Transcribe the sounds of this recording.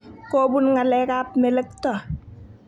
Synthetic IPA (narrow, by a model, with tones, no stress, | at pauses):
ko˦bu˦nŋa˨lɛ˦ka˦p̚mɛ˨lɛ˦k̚tɔ˨